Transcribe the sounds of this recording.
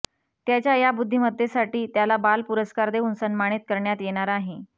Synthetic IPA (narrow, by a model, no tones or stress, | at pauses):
t̪jat͡ɕjajabud̪ʱːiməd̪ʱːjesaʈiːt̪jalabalpuɾəskaɾd̪eunsənmaɽ̃iːt̪̚kəɾɳjat̪jeɽ̃aɾaːɦe